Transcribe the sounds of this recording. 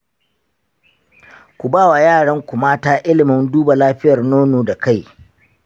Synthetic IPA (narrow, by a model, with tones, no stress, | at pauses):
kʷu˨baː˦˨wa˨jaː˦˨ɽɐ˦ŋkʷʊ˨maː˦taː˦ʔɪ˦lɪ˨mɪ˦nduː˦ba˨laː˦ɸɪ˦jɐ˨rnoː˦noː˨da˨ka˦˨j